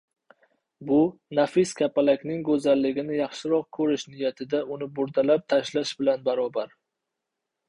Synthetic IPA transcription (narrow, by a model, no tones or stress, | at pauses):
bʊnafɪskʲʰapalakʲnɪŋɡɵzalːɪɡʲɪnɪjɑχʃɪɾɒqkʰɵɾɪʃnɪjat̪ʰɪd̪aʊnɪbʊɾd̪alap̚t̪ʰaʃlaʃbɪlanbaɾɒbaɾ